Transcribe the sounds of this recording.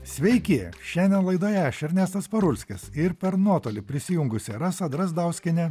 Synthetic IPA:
sʲʋʲɛɪkʲiːʃʲɛnʲd̪ʲɛnlˠɐɪd̪oːjɛæːʃʲɛɾʲnʲɛːst̪ɐspɐɾʊlʲsʲkʲɪsɪɾpʲɛɾnuɔt̪oːlʲɪpʲɾʲɪsʲɪjʊŋɡʊsʲɛɾɐsɐd̪ɾɐzd̪ɑʊsʲkʲɪnʲɛ

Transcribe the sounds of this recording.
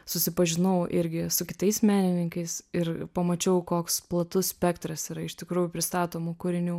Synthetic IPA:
sʊsʲɪpɐʒʲɪnɐʊʔɪɾʲɡʲɪsʊkʲɪt̪ɐɪsmʲæːnʲɪnʲɪŋkɐɪsɪrpɐmɐt͡ʃʲɛʊkoːksplˠɐt̪ʊssʲpʲɛkt̪ɾɐsiːɾɐɪʃt̪ʲɪkɾuːjʊpʲɾʲɪst̪ɑːt̪oːmʊkʊɾʲɪnʲuː

